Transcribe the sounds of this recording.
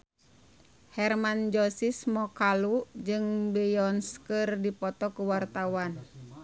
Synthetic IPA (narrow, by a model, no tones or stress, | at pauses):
hɛrmand͡ʒɔsismɔkalud͡ʒɨŋbɛjɔnskərdipɔt̪ɔkuwart̪awan